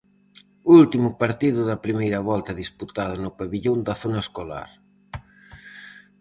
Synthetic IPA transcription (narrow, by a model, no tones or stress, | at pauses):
ult̪imʊpaɾt̪iðʊðɐpɾimejɾɐβɔlt̪ɐðisput̪aðɐnʊpaβiʎond̪ɐθonɐeskola̰ɾ